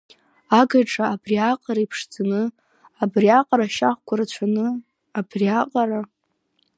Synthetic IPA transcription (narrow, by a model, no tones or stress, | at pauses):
aɡaʈ͡ʂʼaːbriaqʼaɾaipʰʂd͡zanɨ | abriaqʼaɾaʃaχʷkʷʰaɾat͡ɕʷʰanɨ | abriaqʼaɾa